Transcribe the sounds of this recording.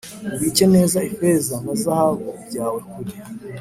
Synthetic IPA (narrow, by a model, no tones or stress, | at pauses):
ŋɡice̞ne̞ːzaefe̞zam̥azahaβobɟaːwe̞kuɾi